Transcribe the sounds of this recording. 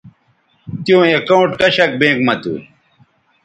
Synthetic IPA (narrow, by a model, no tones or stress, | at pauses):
t̪jõːekɐũʈkɐɕɐk̚bẽːkmɐt̪ṵ